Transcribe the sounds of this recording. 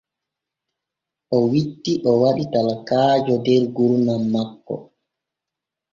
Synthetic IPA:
ʔɔwitːiʔɔwaɗitalakaːd͡ʒɔdɛɾɡuɾunamːakːɔ̰

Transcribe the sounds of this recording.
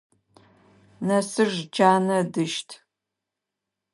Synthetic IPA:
nɐsɨrd͡ʒaːnɐdɨʃtʰ

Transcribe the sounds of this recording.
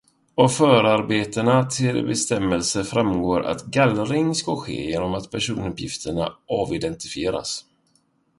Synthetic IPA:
ɔfœːɾaɾbeːt̪ənat̪ʰɪlbɛst̪ɛmːəlsəfɾamɡoːɾʔa̰t̪ɡalɾɪŋskaɧḛːjeːnɔmat̪pʰæʂuːnɵpjɪ̰ft̪ʰəɳa̰ʔɑːvɪd̪ɛnt̪ɪfɪeːɾa̰s

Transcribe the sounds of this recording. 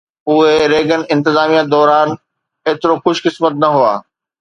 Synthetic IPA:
ʊɦeɾeːɡənɪ̆ɪ̃nt̪ɪzaːmijad̪ɔːɾaːn | eːt̪ɪɾoxʊʃkɪsmət̪nɐɦuaː

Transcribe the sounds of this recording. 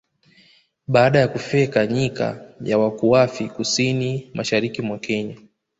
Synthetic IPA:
ɓaːɗajakufɛkaɲika̰jawakuafikusinimʔaʃaɾikimwakɛɲa

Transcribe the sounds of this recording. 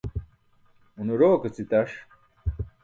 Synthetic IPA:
unuɾoːkɐt͡sit̪ɐʂ

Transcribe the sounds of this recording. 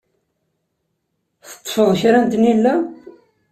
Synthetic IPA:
θə̥t̪ˤːfəðˤçɾænt̪nilːæ

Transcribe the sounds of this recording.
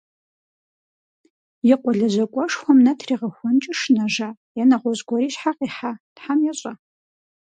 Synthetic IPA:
jɪqʷʼɔɮɐʑʷɐkʷʼɔʂxʷɐmnɐtʰriːʁɐxʷɔnt͡ʃʼɪʂnaʐa | janaʁʷɔzɡʷɔɾiːʃħaqʼiħatħamjaɕʷʼa

